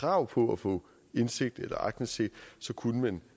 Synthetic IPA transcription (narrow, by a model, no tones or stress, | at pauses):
kʰʁɑ̈ʊ̰pʰɒ̽æfɔ̰̽ː | e̝nse̝ɡ̥̚d̥elɐʔɑ̈ɡ̥̚d̥n̩se̝̰̥ːsɒ̽kʰunəmæn